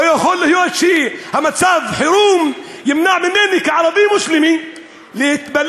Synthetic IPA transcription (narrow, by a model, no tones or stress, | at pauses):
joxolːɪhjowaʃiːhamat̪saːbħɪɾuːmjɪmnaʕmɪnːeːnikaʕalad̪iːmʊslɪmi | lɪt̪balː